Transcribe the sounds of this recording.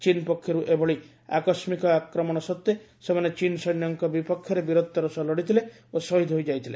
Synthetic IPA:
t͡ʃinpɔkʰːjɔɾuʔebʱɔɭi | a̰kɔsmikɔakɾɔmɔɽ̃ɔsɔt̪ːje | semanet͡ʃinsɔnjɔŋkɔbipɔkʰːjɔɾebiɾɔd̪ːɔɾɔsɔlɔɽit̪ʰile | osɔɦid̪ʱɦojd͡ʒajt̪ʰile

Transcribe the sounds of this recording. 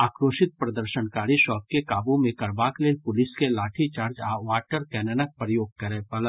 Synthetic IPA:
aːkɾoːʃɪt̪̚pɾɐd̪əɾʃənkaːɾiʃɔːk̚kekaːbũmẽkɐɾbaːkleːpʊlɪskelaːʈʰit͡ʃaːɾd͡ʒaʋaːʈəɾkɛːnənək̚pɾəjoːɡ̚kɐɾeːpɐlə

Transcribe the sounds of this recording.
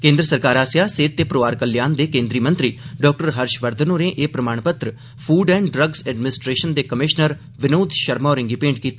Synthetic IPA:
kẽːnd̪ɾəsəɾkaːɾaːsjaːseːt̪̚t̪eːpɾoːaːɾkəlːjaːnd̪eːkẽːnd̪ɾiːmə̃nt̪ɾiːɖɔːk̚ʈəɾɦəɾʃʋəɾd̪ʱənoːneːʔeːpɾəmaːɳ̃pət̪ɾə | pʰuːɖɛ̃ːɳɖɖɾəɡsɛːɖmɪnɪsʈɾeːʃənd̪eːkəmɪʃnəɾ | ʋɪnoːd̪ʃəɾmaːɾɪ̃ŋɡiːpẽːɳɖ̚kiːt̪ː

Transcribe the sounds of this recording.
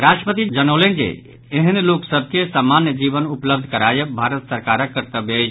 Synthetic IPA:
ɾasʈɾəpət̪id͡ʒənəlend͡ʒḛ | eɦənloksəbʱkesamːanjəd͡ʒibənupləb̚d̪ʱkəɾajebʱaɾət̪səɾkaɾəkkːəɾt̪əbed͡ʒ

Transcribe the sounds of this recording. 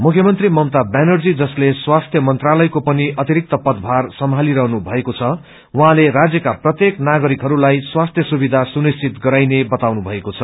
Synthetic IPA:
mukʰjʌmʌnt̪rimʌwt̪abanʌrd͡zid͡zʌsleswast̪ʰjʌmʌnt̪ralʌjkopʌniʔʌt̪iɾik̚t̪ʌpʌd̪bʱarsʌmɦaliɾʌɦnubʱʌekot͡sʰʌ | wuɦãlerad͡zjʌkaprʌt̪jeknaɡʌɾikɦʌɾulajswast̪ʰjʌsubid̪ʱasunist͡sit̪ɡʌɾajnebʌt̪awnubʱʌekot͡sʰʌ

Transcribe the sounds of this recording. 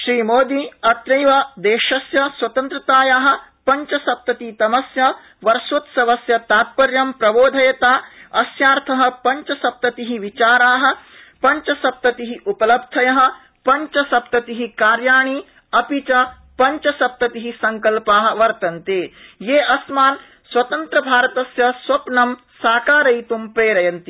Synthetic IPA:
ʃɾiːmoːd̪iɐt̪ɾɐjʋɐd̪eːʃɐsjɐswɐt̪ɐnt̪ɾɐt̪aːjaːɦɐ̆ | pɐɲt͡ʃɐsɐp̚t̪ɐt̪it̪ɐmɐsjɐ | ʋɐɾsut̪sɐʋɐsjɐt̪aːt̪̚pɐɾjɐmpɾɐboːd̪ʱɐjɐt̪aːɐsjaːɾt̪ʰɐɦɐ̆pɐɲt͡ʃɐsɐp̚t̪ɐt̪iɦiʋit͡ʃaːɾaːɦɐ̆ | pɐɲt͡ʃɐsɐp̚t̪ɐt̪iɦiʔupɐlɐb̚d̪ʱʰɐjɐɦɐ̆ | pɐɲt͡ʃɐsɐp̚t̪ɐt̪iɦikaːɾjaːɳ̃i | ɐpit͡ʃɐ | pɐɲt͡ʃɐsɐp̚t̪ɐt̪iɦisɐŋkɐlpaːɦɐ̆ʋɐɾt̪ɐnt̪eːjeːɐsmaːn | swɐt̪ɐnt̪ɾɐbʱaːɾɐt̪ɐsjɐswɐpnɐm | saːkaːɾɐjt̪umpɾeːɾɐjɐnt̪i

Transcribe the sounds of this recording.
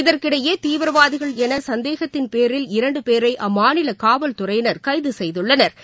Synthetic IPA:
ɪðɐrkɪɽɐjeːt̪iːʋɐɾɐʋaːðɪɣɐɭɛnɐsɐnd̪eːɣɐt̪ːɪnpeːɾɪlɪɾɐɳɖɯpeːɾɐɪʔɐmːaːnɪlɐkaːʋɐlt̪ʊrɐjnɐɾkɐɪðɯsɛjðɯɭːɐnɐɾ

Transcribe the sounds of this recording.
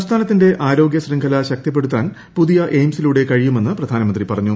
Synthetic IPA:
st̪ʰaːnɐt̪ːinde̞ʔʔaːɾo̞ːɡjɐsriŋɡʰʱɐlɐɕɐk̚t̪jɐp̬ːe̞ɽut̪ːaːn | puðijɐʔejmsiluːɽe̞kɐɻijume̞nːɨprɐd̪ʱaːnɐmɐnd̪ripɐrɐɲːu

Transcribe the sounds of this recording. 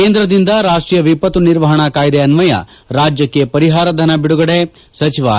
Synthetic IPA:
keːnd̪ɾɐd̪ind̪ɐɾaːʂʈɾijɐʋipɐt̪uniɾʋɐɦɐɳɐkaːjd̪eɐnmɐjɐ̰ | ɾaːd͡ʒjɐkːe̞pɐɾiɦaːɾɐd̪ʱɐnɐbiɽuɡɐɽe | sɐt͡ʃiʋɐ̰

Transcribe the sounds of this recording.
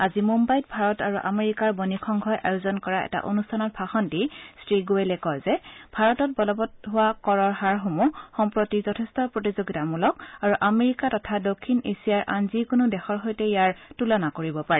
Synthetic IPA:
azimumbajt̚bʱaɹɔtaɹuʔameɹikaɹbɔnikʰɔŋɡʱɔjʔa̰jozɔnkɔɹaɛ̰ta̰ʔo̰nustʰanɔt̚pʰaxɔndistɹiɡuelɛkɔjzɛbʱaɹɔtɔt̚bɔlɔbɔtɦʊwakɔɹɔɹɦaɹɦomuxɔmpɹotizɔtʰɛstɔpɹotizoɡitamulɔk̚aɹuʔameɹikatɔtʰadokʰːinesiaɹʔa̰nzikʊnʊdɛxɔɹɦɔjtɛjaɹtulanakoɹibɔpaɹɛ

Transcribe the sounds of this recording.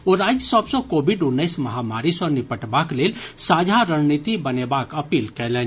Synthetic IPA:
oɾad͡ʒjəsəbsə̃kobʱiɖunːəɪsməɦamaɾisənipəʈbaklelsad͡ʒʱaɾənnit̪ibənebakəpiːlkɛlɛn

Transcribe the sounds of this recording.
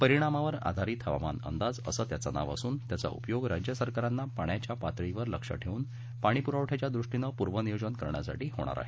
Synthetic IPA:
pəɾiɽ̃amaʋəɾa̰d̪ʱaɾiːt̪həʋa̰ma̰nə̰nd̪ad͡zə̰sət̪jat͡sana̰ʋa̰suːnt̪jat͡sa̰ṵpjoɡɾad͡ʑjəsəɾkaɾanːapaɳjat͡ɕjapat̪ɾiʋəɾləkʂə̰ʈʰeuːn | paɽ̃ipuɾaʋʈʰat͡ɕjad̪ɾuʂʈinəpuɾʋənijod͡ʑənkəɾɳja̰sa̰ʈiːɦo̰ɽ̃a̰ɾa̰ɦe

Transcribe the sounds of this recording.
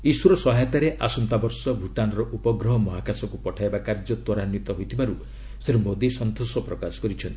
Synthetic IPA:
iswuɾɔsɔɦajt̪aɾeʔasunt̪abɔɾsɔbʱuʈanɔɾɔʔupɔɡɾɔɦɔmɔɦakasɔkupɔʈʰaebakaɾd͡ʒɔt̪wɔɾanjit̪ɔɦojt̪ʰibaɾu | seɾumod̪isɔnt̪osɔpɾɔkasɔ̥kɔɾit͡ʃʰɔnt̪i

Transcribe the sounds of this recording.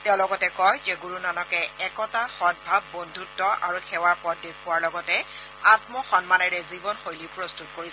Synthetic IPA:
tɛ̃ʊ̃lɔɡɔtɛkɔjzɛɡuɹunanɔkɛɛkɔtaxɔd̚bʱabːondʱutːɔʔa̰ɹuxʰɛwaɹpɔdexʊwaɹlɔɡɔtɛ | atmɔxɔnmanɛɹɛzibɔnxojlipɹɔstutkoɹis

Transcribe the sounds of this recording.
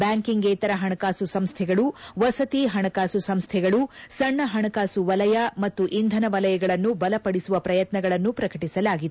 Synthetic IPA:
bjaːŋkiŋɡɛːt̪ɐɾɐɦɐɳɐkaːsusɐmst̪ʰɛɡɐɭuʋɐsɐt̪iɦɐɳɐkaːsusɐmst̪ʰɛɡɐɭusɐɳːɐɦɐɳɐkaːsuʋɐlɐjɐmɐt̪ːuʔind̪ʱɐnɐʋɐlɐjɐɡɐɭɐnːubɐlɐpɐɽisuʋɐpɾɐjɐt̪nɐɡɐɭɐnːupɾɐkɐʈisɐlaːɡid̪e

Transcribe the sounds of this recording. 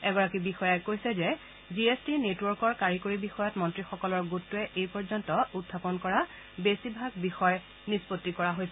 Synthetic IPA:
ɛɡɔɹakibixɔjajkojsɛzɛ | ziestinetwɔɹkɔɹkaɹikoɹibixɔjɔtmɔntɹixɔkɔlɔɹɡutːʊɛʔejpɔɹzɔntɔutʰːapɔnkɔɹa | besibʱaɡ̚bixɔj | nispotːikɔɹaɦojsɛ

